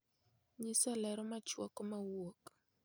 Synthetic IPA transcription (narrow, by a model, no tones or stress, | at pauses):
ɲɪsalɛɾɔmat͡ʃwɔkɔmawok